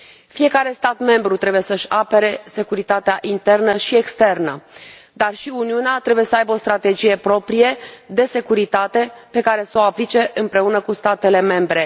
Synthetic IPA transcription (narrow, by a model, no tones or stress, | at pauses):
fije̞kaɾe̞st̪at̪me̞mbɾut̪ɾe̞buje̞səʃʲape̞ɾe̞se̞kuɾit̪at̪eaʔint̪e̞rnəʃie̞kst̪e̞rnə | d̪arʃiuniuneat̪ɾe̞bujesəajbəo̞st̪ɾat̪e̞d͡ʒije̞pɾo̞pɾije̞d̪e̞se̞kuɾit̪at̪e̞pe̞kaɾe̞soaplit͡ʃe̞ʔɨmpɾe̞unəkust̪at̪e̞le̞me̞mbɾe̞